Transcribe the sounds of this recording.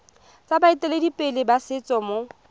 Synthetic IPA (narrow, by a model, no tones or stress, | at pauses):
t͡sʼabaitʼɛledipʼɪlɪbasɪt͡sʼɔmo